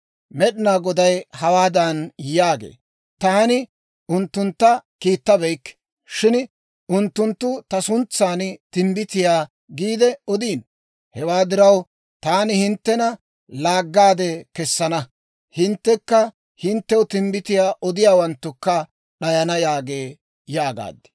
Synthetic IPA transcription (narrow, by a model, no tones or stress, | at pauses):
mɛɗɪnaːɡɔd̪ɐjhɐwaːd̪ɐnjaːɡḛː | t̪aːnɪ | ʔʊnt̪ːʊnt̪ːɐkiːt̪ːɐbɛjkː | ʃɪn | ʊnt̪ːʊnt̪ːʊt̪ɐsʊnt͡sːaːnt̪ɪmbɪt̪ɪjaː | ɡiːd̪ɛɔd̪iːn | hɛwaːd̪ɪɾɐw | t̪aːnɪhɪnt̪ːɛnɐ | laːɡːaːd̪ɛkɛsːɐnɐ | hɪnt̪ːɛkːɐ | hɪnt̪ːɛwʊt̪ɪmbɪt̪ɪjaːʔɔd̪ɪjaːwɐnt̪ːʊkːɐ | ɗɐjɐnɐjaːɡe̞ː | jaːɡa̰ːd̪ɛ̥